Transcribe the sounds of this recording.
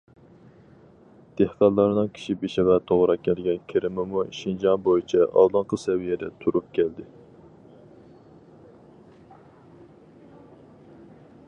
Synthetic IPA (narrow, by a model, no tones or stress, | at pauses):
d̪̥ehqælˠːɑɾnɨŋkʲʰi̥ʃibeʃɛvɛt̪ʰoʁɾɑkʲʰɛlɡʲɛnkʲʰeɾɪmɪmuʃind͡ʒɑŋbojit͡ʃʰɛʔɑ̰lˠlˠɑŋqəsɛwijɛd̪ɛt̪ʰuɾup̚kʲʰɛld̪ɪ